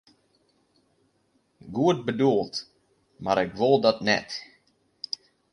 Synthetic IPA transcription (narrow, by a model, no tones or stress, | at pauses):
ɡuːd̪̚bəd̪ulˠt̪ | ma̰ɾɛɡvɔlˠd̪at̪nɛ̰t̪